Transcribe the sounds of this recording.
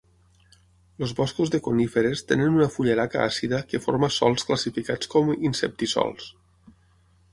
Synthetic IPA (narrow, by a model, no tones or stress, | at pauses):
lozβɔskuzðekonifeɾest̪enenunəfuʎeɾaka̰ʔasiðəkefo̰ɾməsɔ̰lˠskləsifikat͡skɔminsep̚t̪isɔ̰lˠs